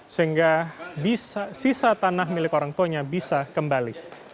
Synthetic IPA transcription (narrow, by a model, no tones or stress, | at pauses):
səɦiŋɡabisasisat̪anaɦmilɪkoɾaŋt̪uaɲabisakəmbalḭ